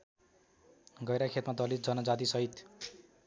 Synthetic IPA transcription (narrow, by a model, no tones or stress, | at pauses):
ɡʌjɾakʰet̪mad̪ʌlit̪̚d͡zʌnʌd͡zat̪̬isʌɦit̪